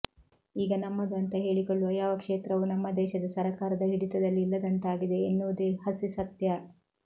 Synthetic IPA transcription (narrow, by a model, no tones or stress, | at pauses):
iːɡɐnɐmːɐd̪ɐnt̪ɐɦe̞ːɭikoɭːuɐjaːʋɐkʂeːt̪ɾɐʋunɐmːɐd̪ɛːʃɐd̪ɐsɐɾɐkaːɾɐd̪ɐɦiɽit̪ɐd̪ɐlːiːlːɐd̪ɐnt̪aːɡid̪e̞ːnːuʋud̪ehɐsisɐt̪jɐ